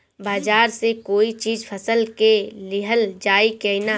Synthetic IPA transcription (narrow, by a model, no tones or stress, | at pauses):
baːd͡ʒaːɾsekoːit͡ʃiːd͡ʒpʰɐsəlkelɪɦəld͡ʒaːikena